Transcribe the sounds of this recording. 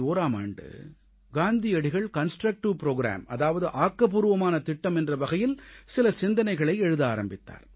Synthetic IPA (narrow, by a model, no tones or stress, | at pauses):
oːɾaːma̰ːɳɖɯ̰ | ɡaːnd̪ɪjɐɽɪɣɐɭkɐnsʈɾɐk̚ʈɪʋpɪɾoːɡɪɾa̰ːmɐðaːʋɐðɯʔaːkːɐpuːɾɯʋɐmaːnɐt̪ɪʈːɐmɛndrɐʋɐɣɐjɪlsɪlɐsɪnd̪ɐnɐɪɣɐɭɐɪɛɻɯðɯaːɾɐmbɪt̪ːa̰ːɾ